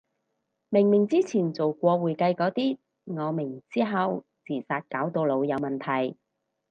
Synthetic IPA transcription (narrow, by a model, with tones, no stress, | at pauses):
mɪ˨˩ŋmɪ˨˩ŋt͡siː˥t͡sʰiː˨˩nt͡so˨wkʷɔː˧wuː˨˩jkɐ˧jkɔː˨˥t̪iː˥ | ŋɔː˨˧mɪ˨˩ŋt͡siː˥ɦɐ˨w | t͡sʰiː˨˩saː˧t̚kaː˨˥wt̪o˧wlo˨˧wjɐ˨˧wmɐ˨nt̪ʰɐ˨˩j